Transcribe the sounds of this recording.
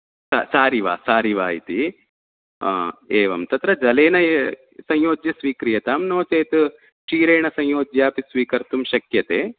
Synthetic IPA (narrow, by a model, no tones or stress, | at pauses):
sa̰saːɾiʋa̰ːsaːɾiʋaːɦit̪i | eːʋɐmt̪ɐt̪ɾɐd͡ʒɐleːnɐ | sɐ̃joːd͡ʒjɐsʋiːkɾijɐt̪aːmnoːt͡ʃeːt̪ɨ | t͡ʃiːɾeːɳɐsɐ̃ŋ̃joːd͡ʒjaːpisʋiːkɐɾt̪umʃɐkjɐt̪eː